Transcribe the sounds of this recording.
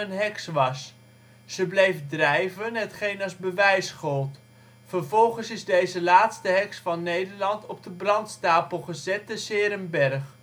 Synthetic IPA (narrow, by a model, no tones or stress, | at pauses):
ənɦɛksʋɑs | z̥əblejvdrɛjvənɦətχejnɑzbəʋɛjsχɔlˠt | fərvɔlˠχənsɪzdejzəlaːtstəɦɛksfɑnːejdəɹlɑntɔb̚dəbrɑntstaːpəlˠχəzɛtəsɪːɾəmbɛrχ